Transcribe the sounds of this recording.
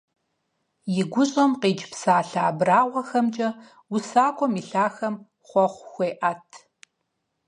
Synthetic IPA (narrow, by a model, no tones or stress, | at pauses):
jɪɡʷʊɕʼɐmqeːd͡ʒpsaːɬaːbraːʁʷɔxɐmt͡ʃʼɐ | wʊsaːkʷʰɔmiɬaːxɐm | χʷɔχʷxʷeːʔaːtʰ